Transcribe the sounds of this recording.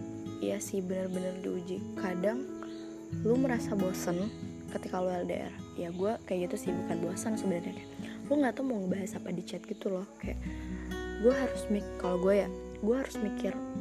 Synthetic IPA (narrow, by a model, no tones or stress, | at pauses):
jasɪhbənərbənərdiud͡ʒikadaŋ | luməɾasaboasən | kət̪ikalualda̰ʔḛɾahjaɡuakajaʔɡit̪usɪhbukat̪̚boasənsəbənərɲakaluŋɡat̪amuŋəbaɦasapadit͡ʃɛt̪̚ɡ̥it̪ulɔhkaja̰ʔ | ɡuaɦaɾʊsmikaloɡuaja | ɡuaɦaɾʊsmikɪr